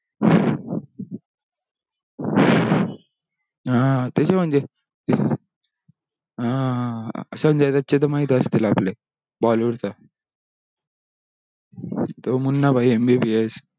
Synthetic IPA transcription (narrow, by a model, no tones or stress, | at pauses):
ãt̪eɕem̤əɳd͡ʑe | ɦã | ə̰ɕam̤əɳd͡ʑet̪at͡ɕet̪̬əmaɦit̪əst̪ilaple | bɔluɽt̪a | t̪omunːabʱaiembipies